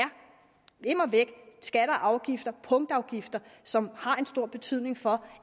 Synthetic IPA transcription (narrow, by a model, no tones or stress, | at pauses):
æɐ | e̝mɒʋeɡ̥sɡ̥æɾ̥əʔɑ̈ʊɡ̥ifd̥ɐpʰɔ̽ŋd̥ɑ̈ʊɡ̥ifd̥ɐsɒ̽mhɑ̈e̝nsd̥o̝ɐ̰b̥e̝t͡sʰyð̰ˠne̝ŋfɒ̽